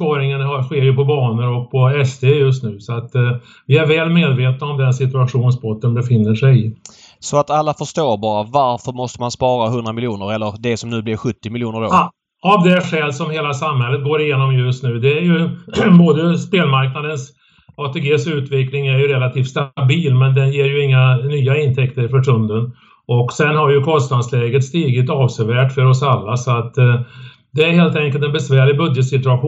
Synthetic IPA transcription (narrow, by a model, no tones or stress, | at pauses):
spɑːɾɪŋənhaɧeːɾjɵpɔbɑːnəɾɔk̚pʰɔɛst̪ʰeːjɵs̬t̪nʉ̟ːsɔat̪ | vɪæɾvɛːlmeːd̪veːt̪̚naɔmd̪ɛnsɪt̪̬ɵaɧuːnsbɔt̪ːənbɛfɪnːəʂɛjɪ | sɔat̪alːafœʂtoːbɑːɾavaɾfœɾmɔst̪əmanspɑːɾaɦɵnd̪ɾamɪljuːnəɾɛlːəɾd̪ɛsɔmnʉ̟ːblɪɾɧɵt̪ːɪmɪljuːnəɾo̰ | avd̪ɛʂɛlsɔmheːlasamhɛlːət̪ɡoːɾɪjeːnɔmjɵst̪nʉ̟ːd̪ɛæɾjɵboːd̪əspeːlmaɾknad̪əns | ɑːt̪ʰeːɡeːsʉ̟ːt̪vɪklɪŋæɾjɵɾɛlat̪ʰiːft̪st̪abiːlmɛnd̪ɛnjeːɾjɵɪŋːanyːaɪnt̪ʰɛkt̪əɾɪfœʈɵnd̪ən | ʔɔksɛnɦaɾjɵkʰɔnst̪nad̪slɛːɡət̪st̪iːɡɪt̪ɑːvsɛvæːʈfœɾɔsalːasɔat̪ː | d̪ɛæɾheːlt̪ɛŋkəlt̪ɛnbɛsvæːɾɭɪɡbɵd̪jət̪sɪt̪ɵaɧu